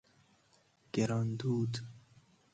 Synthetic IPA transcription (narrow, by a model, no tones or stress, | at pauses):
ɡ̥eɾɔnd̪uːd̪